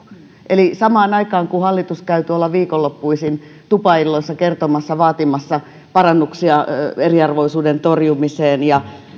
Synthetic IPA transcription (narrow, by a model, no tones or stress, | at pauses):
ʔelisɑmɑːnɑikɑːŋkuhɑlːit̪uskæyt̪yolːɑʋʋiːkolːopːuisin | t̪upɑilːoisːɑkert̪omɑsːɑʋɑːt̪imɑsːɑ | pɑrɑnːuksiɑeriɑrʋoisuːdent̪orjumiseːnjɑ